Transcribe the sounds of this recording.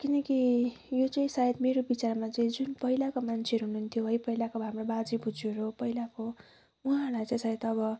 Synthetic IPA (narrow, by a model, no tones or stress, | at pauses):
kinʌki | jot͡saĩsajet̪meɾobit͡sarmat͡saĩd͡zunpʌɦilakomant͡sʰeʌɾuɦununt̪ʰjoɦʌjpʌɦilakoɦamrobad͡zibud͡zoɾopʌɦilako | uɦãlajt͡sãĩsajet̪ʌbʌ